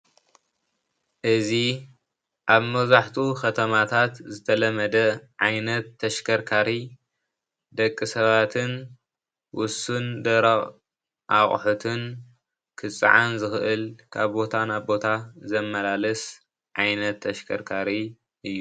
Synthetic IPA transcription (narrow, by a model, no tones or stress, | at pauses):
ʔɨzi | ʔaβmɐzaħt̪ʰukʰɐt̪ʰɐmat̪ʰat̪zɨt̪ʰɐlɐmɐd̪ɐʕajnɐt̪ʰːɐʃkʰɐɾkʰaɾi | d̪ɐkʼːɨsɐβat̪ʰɨn | wʊsund̪ɐɾɐ | ʔaχʼħut̪ʰɨn | kʰɨt͡sʼːɨ̰ʕa̰nzɨxɨʔɨlkʰaβbo̞t̪ʰanaβbo̞t̪ʰazɐmːɐlalɐs | ʕajnɐt̪ʰːɐʃkʰɐɾkʰaɾi | ʔɨjːu